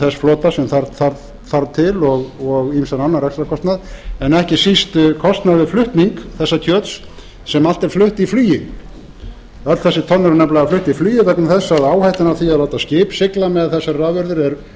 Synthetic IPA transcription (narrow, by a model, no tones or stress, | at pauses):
θɛsflɔːt̪asɛmθaɾθaɾ | θaɾt̪ʰɪlɔɣɔɣimsananːaɾɛkst̪ɾakʰɔst̪naðɛnɛhcɪsist̪kʰɔst̪naðvɪðflʏht̪niŋkθɛsːacʰœːt̪s | sɛmal̥t̪ɛɾflʏht̪iflyːjɪ | œt̪θɛsːɪt̪ʰɔnːʏɾnɛplaɣaflʏht̪iflyːjɪvɛknaθɛsːaðaːwhajht̪ɪnavθiaðlawt̪ascɪːpsɪklamɛðθɛsːaɾravʏɾðʏɾɛɾ